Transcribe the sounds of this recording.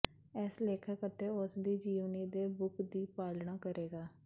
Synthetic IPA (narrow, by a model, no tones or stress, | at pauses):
ɛsleːkʰəkət̪eːʊsd̪iːd͡ʒiːʋniːd̪eːbʊkd̪iːpaːlɳaːkəɾeːɡaː